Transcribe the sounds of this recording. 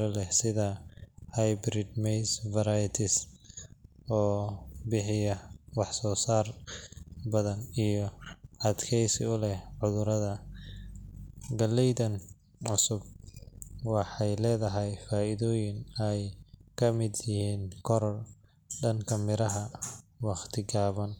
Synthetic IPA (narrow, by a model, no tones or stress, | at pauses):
ɔlɛhsɪðɐhajbɾɪd̪mɛjsvɐɾajt̪ʰɪs | ɔːbɪħɪjɐwɑħsɔːsaːr | bɐðɐnijɞɔʔɐd̪kʰɛjsɪ̰ʊlɛhʕʊðʊɾɐðɐ | ɡɐlːɛjðɐn | ʕʊsʊb̚ | wɑħɑjlɛːðɐɦɛjfaːɪðɔːjɪnɛjkʰɐmɪd̪jɪhiːnkʰɔɾɔr | ɖɐŋkʰɐmɪɾɐɦɐwɑχt̪ʰɪɡaːβɐn